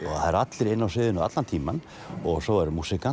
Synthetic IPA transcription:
ɔɣaaɾat̪lɪɾɪnːawsɪːðʏnʏa̰t̪lant̪ʰiːman | ɔɣsɔwɛɾʏmuːsɪka

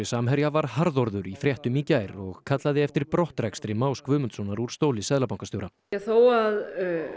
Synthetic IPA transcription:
ɪsaːmɦœɾjavaɾ̥haɾðɔɾðʏɾifɾjɛht̪ʏmiːcajɾɔɣkʰat̪laðɪɛft̪ɪɾpɾɔht̪rɛkst̪ɾɪmaːwskvʏːmʏnt̪sɔnaɾuɾ̥st̪oːwlɪsɛðlapawŋkast̪joːwɾa | ɛθoːwað

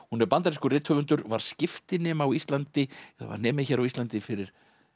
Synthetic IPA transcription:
hunɛɾpant̪aɾɪskʏrɪːt̪hœvʏnt̪ʏɾvaɾ̥scɪft̪ɪnɛːmawist̪lant̪ɪɛa̰va̰ɾnɛːmɪçɛːɾawist̪lant̪ɪfɪɾɪɾ̥

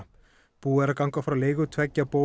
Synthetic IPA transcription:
puːɛɾakawŋkafɾawleːjɣʏt̪ʰvɛcːapoː

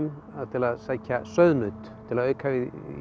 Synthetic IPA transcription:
n | aðt̪ʰɪlaðsaːcasœɥðnʏːt̪ | t̪ʰːɪlaðœːɥkhaːvɪ

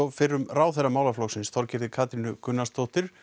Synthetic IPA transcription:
ɔfɪrːʏmraːwθɛramaːwlaflɔxsɪnsθʰɔɾcɪɾðɪkʰaːt̪ɾinʏkʏnːast̪ʰoht̪ɪɾ̥

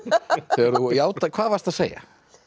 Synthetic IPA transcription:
θɛaɾðujaːwt̪akʰvaːðvaɾst̪aðseːja̰

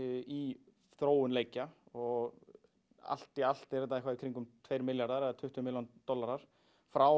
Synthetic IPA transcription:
i | θɾoːwʏnleːjcaɔɣ | a̰l̥t̪ial̥t̪ɛɾvɛːt̪aɛhkvaɪkʰɾiŋkʏmt̪ʰvejɾmɪljaɾðaɾɛðat̪ʰʏht̪ʏmɪljant̪ɔlːaɾaɾ̥ | fɾaw

